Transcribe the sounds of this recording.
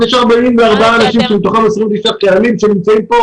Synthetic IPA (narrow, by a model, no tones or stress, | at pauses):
jeʃaʁbaimveaʁbaaːnaʃimʃebit̪oχamesʁimvet̪iʃapealimʃenimt͡saimpo